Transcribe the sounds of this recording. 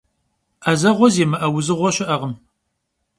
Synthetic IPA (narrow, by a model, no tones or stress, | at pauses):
ʔɐzɐʁʷɔzeːmɨʔɐwʊzɨʁʷɔɕɪʔɐʁəm